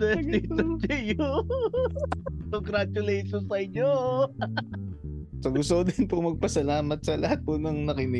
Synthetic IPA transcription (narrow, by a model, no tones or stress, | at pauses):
ɛit̪ot͡ʃɐjo | koŋɡɾat͡ʃʊlejʃonsɐɪɲːo | sɐɡʊst̪od̪ɪnpʊmɐɡ̚pɐsɐlaːmɐt̪̚sɐlɐhat̪̚pʊnɐŋnɐkɪnɪ